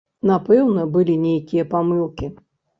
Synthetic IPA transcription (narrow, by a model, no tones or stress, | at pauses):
napɛwnɐbɨlʲinʲejkʲijɐpamɨlˠkʲi